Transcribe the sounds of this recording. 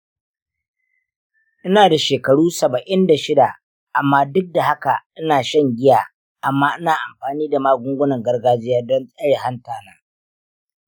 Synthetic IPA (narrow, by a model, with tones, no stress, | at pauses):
ʔɪ˦naː˨da˨ʃeː˨kɐ˨ɽuː˦sɐ˨bɐ˨ʔɪ˦nda˨ʃɪ˦da˨ | ʔa˨mːaː˦dʊ˦k̚da˨ha˦ka˨ʔɪ˦naː˨ʃɐ˦ŋɡʲɪ˦jaː˨ | ʔa˨mːaː˦ʔɪ˦naː˨ʔa˨mɸaː˨niː˦da˨maː˦ɡʷʊ˦ŋɡʷʊ˦nɐ˨ŋɡɐ˦rɡaː˦d͡ʒɪ˦jaː˦dɔ˦nsʼɐ˦ɽeː˨ha˦ntaː˨naː˦